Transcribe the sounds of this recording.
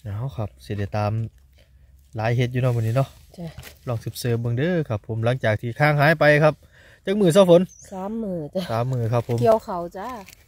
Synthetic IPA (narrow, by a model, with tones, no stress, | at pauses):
ʔaː˧˥˩wkʰa˧˩p̚si˧˩da˧˩jt̪aː˨m | laː˨˦jɦe˧t̪̬̚juː˧nɔ˧˩bɔː˧˩niː˧˩nɔ˧ʔ | t͡ɕa˧lɔː˧˩ŋsɯ˧˩p̚sɤː˧˩bɯ˧ŋdɤː˧˥kʰa˧˩pʰːo˨˦mla˧˦ŋt͡ɕaː˨˩k̚t̪ʰiː˧˩kʰaː˧˩˨ŋɦaː˨˧˥jpa˧jkʰa˧˥p̚ | t͡ɕaː˧˩k̚mɯː˨˩s̬aː˧˩˨wfʰo˨˧˦nsaː˨˦mːɯː˨˧˩a˧˦saː˨˦mːɯː˨˧˩kʰa˧˩pʰːo˨˦i˧ə˨wxʰa˨˩wt͡ɕa˧˥